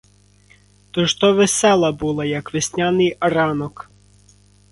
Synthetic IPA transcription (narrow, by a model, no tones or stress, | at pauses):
t̪ɔʃt̪ɔʋesɛlˠɐbulˠɐjɐkʋesʲnʲanɪjɐɾɑnɔk